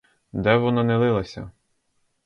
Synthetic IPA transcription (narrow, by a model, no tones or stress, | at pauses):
d̪ɛʋɔnɑnɛlˠɪlˠɐsʲɐ̰